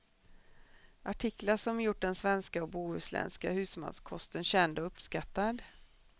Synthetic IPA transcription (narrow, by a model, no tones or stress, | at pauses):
ʔaʈʰɪkːlaʂɔmjʊʈ̚ːɖɛnsvɛnskaɔkbuːʉ̟ːslɛ̰nska̰hʉ̟ːsma̰nskʰɔst̪ənɕɛnd̪ɔɵpːskat̪ːad̪